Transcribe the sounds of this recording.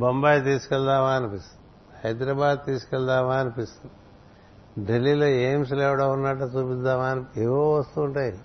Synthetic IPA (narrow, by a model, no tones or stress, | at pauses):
bɐmbaːjt̪iːsi̥kɐld̪aːʋaːnɐpis | hɐjd̪ɾabaːd̪̚t̪iːskɐld̪aːʋaːnpis | dɐlːilɐeːms̬leːʋɽaɦunːaːʈɐsubid̪d̪aʋaːneʋoʋɐst̪uːɳʈaːji